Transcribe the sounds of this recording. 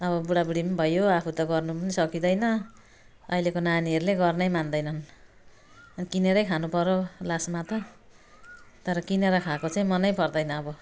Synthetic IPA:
ʌβʌbuɽabuɽimbʱʌjoapʰut̪ʌɡʌrnupʌnisʌkid̪ʌjnʌ | ʌ̰jlekonaniɦʌɾuleɡʌrnʌjmand̪ʌjnʌn | ʌnikineɾʌjkʰanupʌɾolasmat̪ʌ | t̪ʌɾʌkineɾʌkʰakot͡saĩmʌnʌjpʰʌrd̪ʌjnʌːbʌ

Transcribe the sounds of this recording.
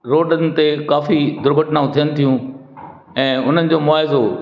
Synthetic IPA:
ɾoːɖənɪ̆t̪ekaːfid̪ʱʊɾɡʱəʈnaːũt̪ʰijənɪ̆t̪ʰijũ | ɛ̃ːʊn̤ənɪ̆d͡ʑoːmʊaːɪzo

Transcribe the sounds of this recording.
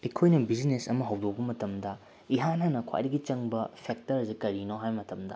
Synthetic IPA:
ekʰojnɐbid͡ʒinesɐmɐɦɐwdok̚bɐmɐtɐmdɐ | iɦanɦɐnɐkʰwa̰jɾiɡit͡ʃɐŋbɐpʰek̚tɐɾɐzikɐɾinoɦajmɐtɐmdɐ

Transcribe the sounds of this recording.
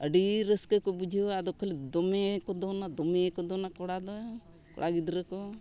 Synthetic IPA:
əɖiɾəskəkɔbud͡ʒʱoad̪ɔkʰːəled̪ɔmekɔd̪ɔnad̪ɔmekɔd̪ɔnakɔɽad̪ɔ | kɔ̰ɽaɡid̪ɾəkɔ

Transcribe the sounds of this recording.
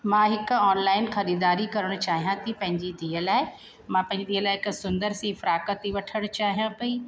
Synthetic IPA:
mãːɦɪkɔːnlaːɪnxɐɾiːd̪aːɾikɐɾəɽ̃ʊt͡ɕaːɦijãt̪ʰĩpɐ̃ɦɪ̃ɲd͡ʑid̪ʱiːəlaːɪ | mãːpɐ̃ɦɪ̃ɲd͡ʑid̪iːəlaːɦɪksʊ̃nd̪əɾsĩfɾaːkət̪iʋɐʈʰəɽ̃t͡ɕaːɦijãpɐiː

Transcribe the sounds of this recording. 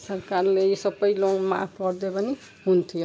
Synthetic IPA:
sʌrkarlesʌbʌjloŋma̰pʰpʌɾd̪ebʌni | ɦunt̪ʰijo

